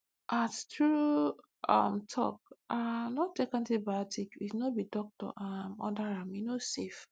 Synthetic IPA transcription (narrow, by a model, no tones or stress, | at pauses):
ʔattɹu | a̰mtʰɔ̰kʔanɔtekãntibaɔtʰikisnɔbidɔk̚tɔ̰ʔãmɔ̰daɹaminosef